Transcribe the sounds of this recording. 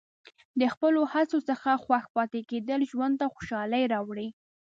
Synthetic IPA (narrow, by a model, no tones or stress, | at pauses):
d̪əxpəlohat͡sosəxaxwaxpɑt̪eked̪əlʒwan̚t̪axo̥ʃɑləjɾɑwɽi